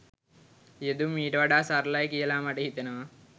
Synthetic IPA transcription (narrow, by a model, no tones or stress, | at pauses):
ed̪umiːɾɐʋɐɽaːsɐɾlajkijɐlaːmɐʈiɦit̪ːɐnɐʋɐ